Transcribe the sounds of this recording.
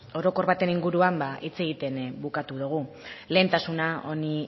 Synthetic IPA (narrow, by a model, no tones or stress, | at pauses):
o̞ɾo̞ko̞ɾβat̪e̞niŋɡuɾuambaʔit͡se̞ɣit̪e̞nbukat̪uðuɣ̞u | le̞ːnt̪asunao̞ni